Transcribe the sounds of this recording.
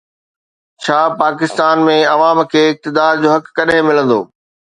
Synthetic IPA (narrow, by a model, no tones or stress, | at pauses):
t͡ɕʰaːpaːk̬ɪst̪aːnmẽɐʋaːmkʰeːɪk̚t̪ɪd̪aːɾd͡ʑoːɦɐkːɐɗɦɪ̃mɪlə̃nd̪o̰ː